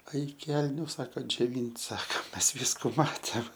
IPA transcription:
ˈɐɪk ˈkʲɛlʲnʲʊ ˈsɑːkɐ d͡ʒʲoːˈʋʲiːnʲtʲ ˈsɑːkɐ ˈmʲɛs ˈʋʲiːskʊ ˈmɑːtʲeːm

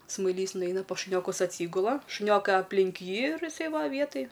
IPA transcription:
smɐɪˈlʲiːs nʊˈɛɪnɐ pɐs ʃʊˈnʲoːkʊs ɐtʲˈsʲiːɡʊlˠɐ ʃʊˈnʲoːkɐɪ ɐpʲˈlʲɪŋk ˈjiː ɪr ɪˈsɐɪ ˈʋɐ ˈʋʲiɛtɐj

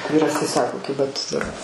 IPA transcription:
ˈʋʲiːrɐs tɐɪ ˈsɑːkoː ˈkʲɪbɐ tʊ dʊr

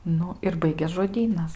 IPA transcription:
ˈnʊ ɪr ˈbɐɪɡʲeːs ʒoːˈdʲiːnɐs

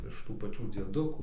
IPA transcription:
ɪʃ ˈtuː pɐˈt͡ʃʲuː d͡zʲiɛˈdʊkuː

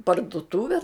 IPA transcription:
pɐrdʊˈtʊʋʲɛ

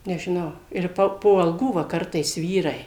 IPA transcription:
nʲɛʒʲɪˈnɐʊ ɪr ˈpɐ poː ɐlˠˈɡuː ˈʋɐ ˈkɐrtɐɪs ˈʋʲiːrɐɪ

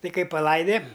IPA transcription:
ˈtʲɪ ˈkɐɪ pɐˈlˠɐɪdʲɛ

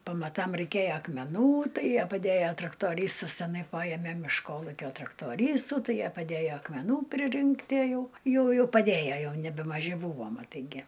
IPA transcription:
pɐmɐˈtɐm rʲɛɪˈkʲæjɛ ɐkmʲɛˈnuː ˈtɐɪ ˈjiɛ pɐˈdʲæjɛ trɐktoːˈrʲiːstɨs tʲɛˈnɐɪ ˈpɑːjɛmʲɛ ɪʃ ˈkoːlˠʊkʲoː trɐktoːˈrʲiːstuː ˈtɐɪ ˈjiɛ pɐˈdʲæjoː ɐkmʲɛˈnuː pʲrʲɪˈrʲɪŋktʲiɛ ˈjɛʊ ˈjuːjʊ pɐˈdʲeːjɛ ˈjɛʊ nʲɛbʲɛmɐˈʒʲɪ ˈbuːʋoː mɐˈtɐɪ ɡʲɪ

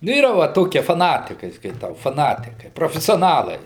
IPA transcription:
nʊ ˈiːrɐ ʋɐ ˈtoːkʲiɛ fɐˈnɑːtʲɪkɐɪ skɐɪˈtɐʊ fɐˈnɑːtʲɪkɐɪ proːfʲɛsʲoːˈnɑːlˠɐɪ

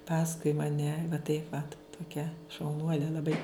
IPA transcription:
ˈpɑːskʊɪ mɐˈnʲɛ tɐɪ ʋɐt toːˈkʲɛ ʃɐʊˈnuɔlʲɛ lˠɐˈbɐɪ

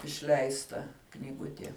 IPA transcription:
ɪʃʲˈlʲɛɪstɐ knʲiːˈɡʊtʲiɛ

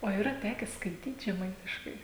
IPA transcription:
oː iːˈrɐ ˈtʲæːkʲɛ skɐɪˈtʲiːt ʒʲɛˈmɐɪtʲɪʃkɐɪ

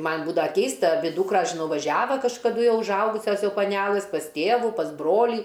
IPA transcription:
ˈmɐnʲ ˈbuːdɐʋɐ ˈkʲɛɪstɐ ɐˈbʲɪ ˈduːkrɐs ʒʲɪˈnɐʊ ʋɐˈʒʲæːʋɐ kɐʃkɐˈdʊ ʊʒˈɐʊɡʊsʲɛs ˈjɛʊ pɐˈnʲæːlˠɨs pɐs ˈtʲeːʋʊ pɐs ˈbroːlʲiː

